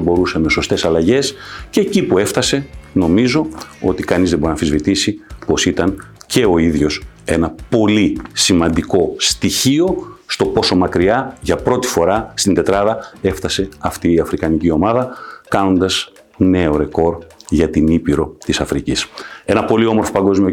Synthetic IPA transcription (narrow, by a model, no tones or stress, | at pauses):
bo̞ɾuse̞me̞so̞st̪e̞sɐlɐʝe̞sceːcipue̞ft̪ɐse̞no̞mizo̞o̞̰t̪ikɐnizðebo̞ɾinɐfizvit̪isipo̞sit̪ɐn | ce̞o̞iðʝo̞s | e̞nɐpo̞lisimɐnd̪iko̞st̪içio̞st̪o̞po̞so̞mɐkɾiɐʝɐpɾo̞t̪i̥fo̞ɾɐst̪ind̪e̞t̪ɾɐðɐe̞ft̪ɐse̞ɐft̪iːɐfɾikɐnicio̞mɐðɐkɐno̞nd̪ɐs | ne̞o̞ɾe̞ko̞ɾʝɐt̪inipiɾo̞t̪isɐfɾicise̞nɐpo̞lio̞moɾfo̞pɐŋɡo̞zmio